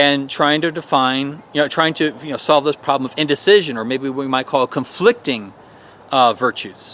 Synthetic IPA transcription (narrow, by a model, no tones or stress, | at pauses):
ɨ̃ntʰɹ̥aɪɪ̃ŋtɨdɨfãɪ̃njɨnoʊtʰɹ̥aɪɪ̃ŋtʰɨjɨnoʊsɑlˠvðɪspʰɹ̥ɑblə̃mʌvɪ̃ndɨsɪʒɨ̃nə˞meɪbiwimaɪt̚kʰɔlˠkʰɨ̃ɱflɪk̚tɪ̃ŋ | vɜ˞t͡ʃʉz̥